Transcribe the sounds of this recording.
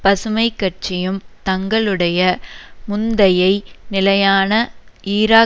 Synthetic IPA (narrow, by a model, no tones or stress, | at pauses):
pɐsɯmɐɪkːɐʈ̚t͡ʃɪjɯmt̪ɐŋɡɐɭɯɽɐjɐmʊnd̪ɐjɐɪnɪlɐjaːnɐiːɾaː